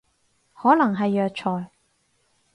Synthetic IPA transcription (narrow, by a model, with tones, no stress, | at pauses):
hɔː˨˥lɐ˨˩ŋɦɐ˨jːœː˨˧k̚t͡ʃʰɔː˨˩j